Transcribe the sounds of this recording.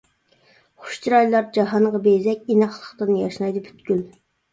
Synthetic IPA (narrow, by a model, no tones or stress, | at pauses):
χʊ̥ʃt͡ʃʰiɾɑjlˠɑɾd͡ʒɑɦɑɴʁɑbejzɛkʲinɑχlˠə̥χt̪ɨnjɑʃnɑjd̪ɨpʰy̥t̪kʲyl